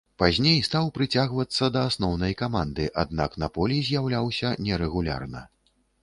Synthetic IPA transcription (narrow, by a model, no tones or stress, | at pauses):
pazʲnʲejst̪awpɾɨt͡sʲaɣvɐt̪sːɐd̪ɐːsnɔwnɐjkamand̪ɨʔad̪̚na̰knɐpɔlʲizʲjawlʲawsʲɐnʲɛɾɛɣulʲa̰rnɐ̰